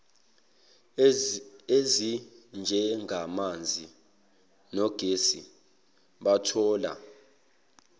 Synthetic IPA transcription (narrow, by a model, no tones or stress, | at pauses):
ezind͡ʒʱɛŋʱamand͡zʱi | nɔɡ̥ʱesḭ | ɓatʰɔːla̰